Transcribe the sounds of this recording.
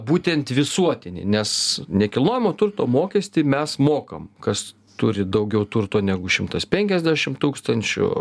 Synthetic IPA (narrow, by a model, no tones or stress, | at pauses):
buːt̪ʲɛnt̪ʋʲɪsuɔt̪ʲɪnʲɪ̰ːnʲɛsnʲɛkʲɪlˠnoːjɪmoːt̪ʊrt̪oːmoːkʲɛsʲt̪ʲiːmʲɛsmoːkɐ̰mkɐs | t̪ʊɾʲɪd̪ɐʊɡʲɛʊt̪ʊrt̪oːnʲæːɡʊʃʲɪmt̪ɐspʲɛŋʲkʲɛzʲd̪ʲæʃʲɪmt̪uːkst̪ɐnʲt͡ʃʲʊ̰